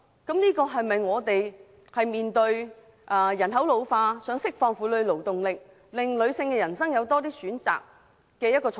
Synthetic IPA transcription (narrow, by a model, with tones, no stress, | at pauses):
kɐ˨˥mniː˥kɔː˧ɦɐ˨jmɐ˨jŋɔː˨˧t̪e˨j | hɐ˨jmiː˨nt̪ɵ˧ɥ | ʔɐː˨˩jɐ˨˩nɦɐ˨˥wlo˨˧wfaː˧sœː˨˥ŋsɪ˥k̚fɔː˧ŋfuː˨˥lɵ˨˧ɥlo˨˩wt̪ʊ˨ŋlɪ˨k̚ | lɪ˨ŋlɵ˨˧ɥsɪ˧ŋkɛː˧jɐ˨˩nsɐ˥ŋjɐ˨˧wt̪ɔː˥t̪̬iː˥syː˨˥nt͡sa̰ː˨k̚ː | ɛː˧jɐ˥t̚kːɔː˧˨